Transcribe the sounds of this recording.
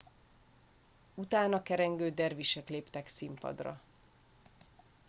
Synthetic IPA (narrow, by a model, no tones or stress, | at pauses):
ut̪aːnɒkɛɾɛŋɡøːd̪ɛrviʃɛkleːpt̪ɛksimpɒ̰d̪rɒ̰